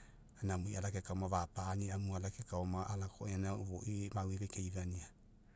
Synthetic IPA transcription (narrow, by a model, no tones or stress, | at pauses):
anamuiʔalakekaɔmaβapaːniamualakekaɔmaʔalakoenauβoʔimaweβekejβania